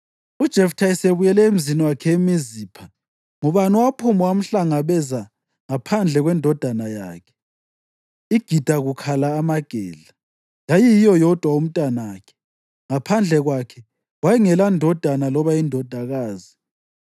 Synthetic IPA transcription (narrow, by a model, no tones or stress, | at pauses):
ud̥ʒ̥ʱɛftʰaiseβujɛlɛem̩ziniwakʰɛemiziːpʰa | ŋuβanuwapʰumɔwam̩ɬaŋaβɛza | ŋapʰand͡ɮʱɛɣwɛndʱɔd̥ʱanaja̰ːkʰɛ̥ | iɡ̥ʱid̥ʱaɣukʰalaːmaɡ̥ʱɛːɮa | jajijijɔjɔd̥ʱwaum̩tʼanaːkʰɛ̥ | ŋapʰand͡ɮʱɛɣwakʰɛ | wajiŋɛlandʱɔd̥ʱanalɔβaindʱɔd̥ʱaɣaːzi